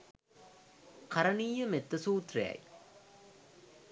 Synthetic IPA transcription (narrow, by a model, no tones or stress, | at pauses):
kɐɾɐniːjɐmet̪ːɐsuːt̪reɐ̰j